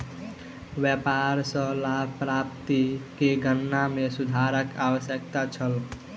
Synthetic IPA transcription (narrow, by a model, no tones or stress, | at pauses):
ʋjəpaɾsə̃labʱpɾap̚t̪ikeɡənːamesud̪ʱaɾəkawəsjəkt̪at͡ʃʰəl